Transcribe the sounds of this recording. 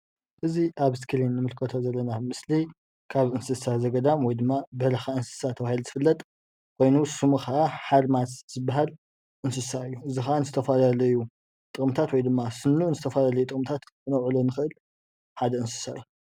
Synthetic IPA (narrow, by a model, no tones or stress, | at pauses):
ʔɨziʔaβskʰɨlinːɨmɨlkʰɐt̪ʰozɐlːɐnamɨsli | kʰaβɨnsɨsazɐɡɐd̪amwɔjd̪ɨmːabɐlɐxaɨnsɨ̥sat̪ʰɐβahilzɨfɨlːɐt̪ʼ | kʰo̞jnusumuxaʔaħalmatz̥ɨbːaɦal | ʔɨnsɨsaɨjːuʔɨzixaʔanɨzɨt̪ʰɐfɐlalɐju | t̪ʼɨkʼmt̪ʰat̪wɔjd̪ɨmːasɨnːuʔnzɨt̪ʰɐfalalɐjut̪ʼɨkʼmt̪ʰat̪ɨnɐwʕulonɨxɨʔɨl | ħad̪ɐɨnsɨ̥saɨju